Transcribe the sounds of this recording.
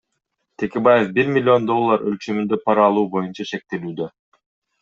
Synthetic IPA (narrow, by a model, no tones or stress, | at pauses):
t̪ʰe̞kʲe̞baje̞fbiɾmʲɪlʲːɪo̞nd̪o̞lˠːaɾø̰lt͡ʃømynd̪ø̞pʰɑɾɑlˠuːbo̞junt͡ʃɑʃe̞k̚t̪e̞lyːd̪ø̞